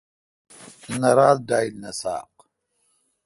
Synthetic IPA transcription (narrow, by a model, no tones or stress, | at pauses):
naɾaːld̪aːjlnɐsa̰ːq